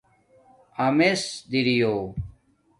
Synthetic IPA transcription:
ɐmesd̪iɾijoː

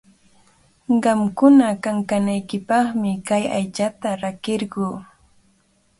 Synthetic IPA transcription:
ɢɑmkʊnakaŋkanajkɪpɑχmɪkajajt͡ʃat̪aɾakɪɾɢuː

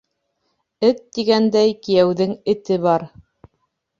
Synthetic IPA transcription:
ɘt̪ːiɡænd̪æjkijæwðɘŋɘ̆t̪ɘβɑɾ

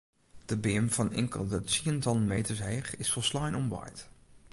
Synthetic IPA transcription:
d̥əbɪəmfɔnɪ̰ŋkə̰lˠdətsiəntɔnmejtəɹsɦeːχɪsfɔlˠslajnɔmʋa̰jt

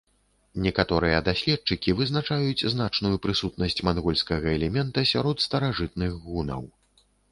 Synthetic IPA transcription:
nʲɛkat̪ɔɾɨjɐd̪asʲlʲɛt̪̚t͡ʂɨkʲivɨznat͡ʂajut͡sʲznat͡ʂnujupɾɨsut̪̚nɐsʲt͡sʲmanɣɔlʲskɐɣɐɛlʲɛmʲɛnt̪ɐsʲaɾɔt̪st̪ɐɾaʐɨt̪nɨɣɣunɐ̰w

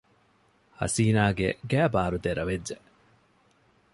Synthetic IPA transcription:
hɐ̰siːnaːɡḛɡæːbaːɾud̪eɾɐʋed͡ʒːe

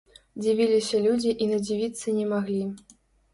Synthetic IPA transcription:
d͡zʲivʲilʲisʲɐlʲud͡zʲiʔinɐd͡zʲivʲit̪sːɐnʲɛmaɣlʲi

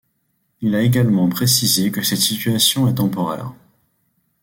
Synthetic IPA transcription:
ilaeɡalmɑ̃pχesizekəsɛt̪sit̪yasjɔ̃ɛt̪ɑ̃pɔʁɛ̰ːʁ

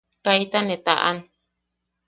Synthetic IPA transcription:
kait̪anet̪aʔa̰n

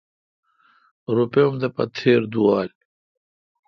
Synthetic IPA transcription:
ɾupeomd̪ɐpɐ̰t̪ʰeːɾd̪uwɑːl

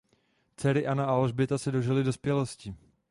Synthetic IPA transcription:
t͡sɛɾɪʔanaaloʒbɪt̪asɛdo̞ʒɪlɪdo̞spjɛlo̞scɪ

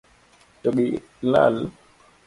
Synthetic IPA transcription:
toɓi | la̰l

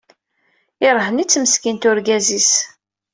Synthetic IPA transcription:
ɪɾˤɦənit͡sːməskint̪ʊɾɡæzis

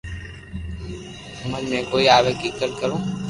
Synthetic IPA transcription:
ʊməd͡ʒmẽːkoːiaːʋekɪkːət̪̚kəɾũː

